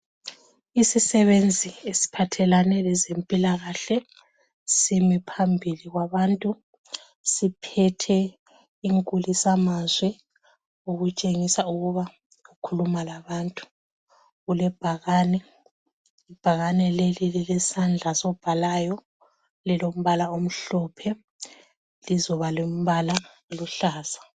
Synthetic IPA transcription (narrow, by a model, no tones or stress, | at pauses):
isisɛβend͡zʱiesi̥pʰatʰɛlanɛlɛzempʼilaɣaɬɛ | simipʰambʱiliɣwaβaːntʼu | sipʰɛtʰɛ | iŋkʼulisamazwɛ | uɣut͡ʃʼeŋisauɣuβa | ukʰulumalaβantʼu̥ | ɣulɛb̥ʱaɣaːnɛ | ib̥ʱaɣanɛlelililɛsand͡ɮʱasɔb̥ʱalajɔ | lɛlom̩βalaom̩ɬɔpʰɛ | lizɔβalom̩βala | luɬaːsḁ